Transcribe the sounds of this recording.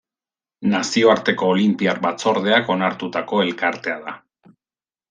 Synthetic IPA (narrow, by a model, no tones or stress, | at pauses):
nasio̞aɾt̪e̞ko̞ːlimpiaɾbat͡so̞ɾðeako̞naɾt̪ut̪ako̞e̞lkaɾt̪e̞aða